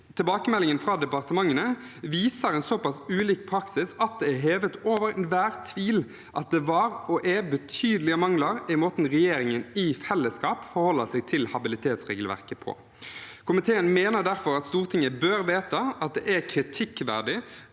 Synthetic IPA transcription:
t̪ʰɪlbɑːkəmɛlːɪŋənfʁɑːd̪ɛpɑʁt̪əmɑŋːənə | ʋiːsəɾɛnsɔpɑsʉːliːk̚pʰɾɑksɪsɑt̪̚d̪ɛæɦeːʋət̪oːʋəɾɛnʋæːʁt̪ʰʋiːl | ʔɑt̪̚d̪ɛʋɑːɾɔʔɛbət̪ʰyːd̪əlɪəmɑŋləɾɪmoːt̪nʁɛjeːɾɪŋənɪfɛlːəskɑːpfɔɾhɔlːəsɛɡ̚t̪ʰɪlhɑbɪlɪt̪ʰeːt̪sʁɛːɡl̩ʋæ̰ʁkəpʰɔ̰ | kʰʊmɪt̪ʰeːənmeːnəʁd̪æɾfɔɾɑt̪st̪uːʁt̪ʰɪŋəbøːɾʋeːt̪əɑt̪̚d̪ɛ̰ʔækʰɾɪt̪ʰɪkːʋæ̰ʁɖɪ

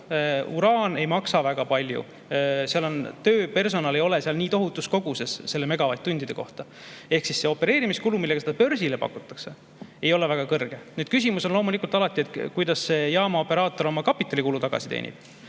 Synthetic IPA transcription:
uɾɑːne̞jmɑksɑvæɡ̥ɑpɑlʲjṵ | seɑlo̞nt̪ø̞ːpe̞rs̬o̞nɑlejo̞le̞seɑlniːt̪o̞ɦut̪ːˑusko̞ɡ̥use̞ssːe̞lːe̞me̞ɡ̥ɑvɑjt̪ːt̪ːund̪̥id̪eko̞̰ht̪ɑ | e̞hksisːe̞o̞pːe̞ɾe̞ːɾimiskulumilːeɡ̥ɑsed̪̥ɑpø̞rsilepɑ̰kːˑut̪ːˑɑ̥kse̞ | e̞jo̞levæɡ̥ɑkɤrɡ̥e̞nyːd̪̥kys̬ʲimusonlo̞ːmulikːˑult̪ɑlɑt̪ːˑie̞t̪kujd̪̥ɑsːe̞jɑːmɑo̞pːe̞ɾɑːt̪ːˑo̞ɾo̞mɑkɑpːˑit̪ːˑɑlʲikulut̪ɑɡ̥ɑ̰sit̪ḛːnʲḭb̥

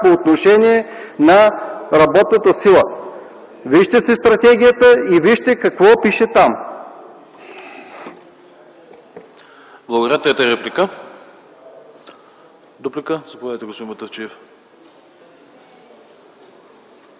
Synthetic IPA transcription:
poːt̪noʃɛniɛnɐɾɐbɔt̪nət̪əsilˠə | viʃt̪ɛsɛst̪ɾɐt̪ɛɡ̟ijət̪əiviʃt̪ɛkɐkvɔpiʃɛt̪am | blˠɐɡod̪ɾʲat̪jat̪əɾɛplʲikə | d̪uplikəz̥ɐpovʲadɐjt̪ɛɡost̪oimɐt̪ɐft͡ʃiɛf

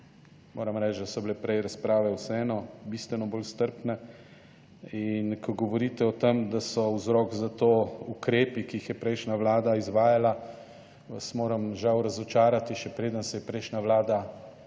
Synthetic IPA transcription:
moːɾamɾɛːt͡ʃd̪asɔblepɾɛjɾaspɾaːʋɛwsɛɛːnɔbist̪ʋɛnɔboːlst̪əɾpnɛ | inkʰɔɡɔʋɔɾiːt̪ɛɔt̪emd̪asɔuzɾɔkzat̪oːukɾeːpikiixjɛpɾɛjʃnaʋlaːd̪aizʋaːjala | smoːɾamʒawɾazɔt͡ʃaːɾat̪iʃɛpɾeːd̪ənsɛjɛpɾɛjʃnʲaʋlaːd̪a

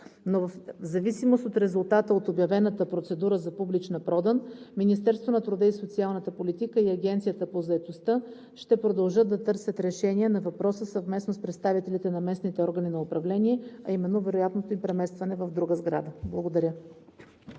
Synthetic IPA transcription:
novəfzɐvisimost̪ot̪ɾɛzʊlˠt̪at̪əot̪objɐvɛnət̪əpɾot̪sɛd̪uɾəzɐpublit͡ʃnɐpɾɔd̪ənminist̪ɛɾst̪vonɐt̪ɾʊd̪əisot̪sialˠnət̪əpolit̪ikəiɐɡʲɛnt̪sijət̪əpozɐɛt̪ost̪ɤ | ʃt̪ɛpɾod̪ɐlˠʒɤt̪ːɐt̪ɤɾsʲət̪ɾɛʃɛniɛnɐvɐpɾɔsəsəvmɛsnospɾɛt̪st̪avit̪ɛlʲit̪ɛnɐmɛsnit̪ɛɔɾɡəninɐopɾɐvlɛniɛɐ̰imɛnːovɛɾojat̪not̪oimpɾɛmɛst̪vɐnɛvɐvd̪ɾuɡəzɡɾa̰d̪əblˠəɡod̪ɐɾʲə

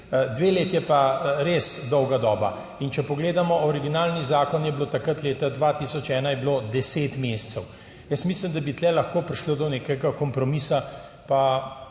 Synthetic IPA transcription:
d̪ʋeːleːt̪jɛpaɾesd̪ɔwɡad̪ɔːba | int͡ʃɛpɔɡleːd̪amɔʔɔɾiɡinaːlnizaːkɔnjɛblot̪akɾət̪leːt̪ad̪ʋaːt̪isɔt͡ʃɛːnajɛbilod̪ɛseːt̪meːst̪sɛw | jəsmisləmd̪abit̪lɛlɐxkoːpɾiʃlod̪ɔneːkɛɡakɔmpɾɔmisa | pa

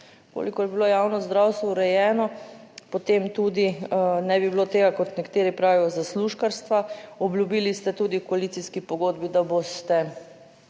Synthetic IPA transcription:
ko̰ːlikɔjɛbilojaːwnɔzd̪ɾawst̪ʋɔuɾɛjɛːnɔpot̪emt̪uːd̪inɛbibilot̪eːɡakɔt̪nɛkt̪eːɾipɾaːʋijɔzasluʃkaɾst̪ʋaɔbljubiːlist̪ɛt̪uːd̪ikɔalit̪siskipɔɡoːd̪bid̪abost̪ɛ

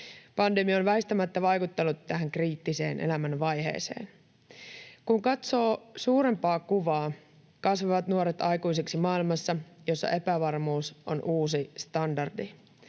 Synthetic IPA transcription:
pɑnde̞miɑonʋæɦist̪æmæt̪ːæʋɑjkut̪ːelːut̪ːæɦæŋkriːt̪ːise̞̰ːnʔḛlæmænʋɑjɦe̞̰ːse̞̰ːn | kuŋkɑt̪so̞ːsuːɾe̞mpɑːkuʋɑː | kɑsʋɑʋɑt̪nuoɾet̪ɑjkujs̬eksimɑilmɑsːɑjo̞sːɑ̰ʔe̞pæʋɑrmuːso̰nʔuːsist̪ɑndɑrdi

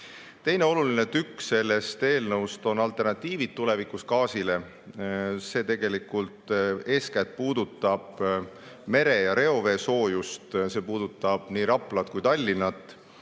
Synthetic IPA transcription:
t̪e̞jne̞o̞lulinet̪ykːse̞lːe̞st̪e̞ːlnɤwst̪o̞nɑlt̪ˑe̞rnɑt̪ʲːˑiːvid̪̥̚t̪ːule̞vikuskɑːsile̞ | se̞ːt̪e̞ɡ̥e̞likːˑult̪e̞ːskæt̪̚puːd̪ut̪ˑːɑb̥ | me̞ɾe̞jɑɾe̞o̞ve̞ːso̞ːjust̪se̞ːpuːd̪̥ut̪ˑːɑb̥niːɾɑpˑlɑt̪̚kujt̪ɑlʲːinɑt̪ːˑ

